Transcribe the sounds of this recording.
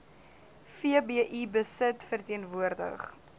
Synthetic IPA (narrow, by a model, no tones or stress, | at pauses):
fiəbiəʔibəsətfərtiənvuərdə̰χ